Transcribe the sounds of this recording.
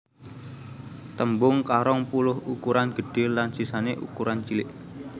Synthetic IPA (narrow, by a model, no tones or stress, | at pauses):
t̪əmbʊŋkaɾɔŋpulʊhukuɾanɡ̥ə̤ɖ̥ɪ̤lːansisaneʔṵkuɾant͡ʃilɪʔ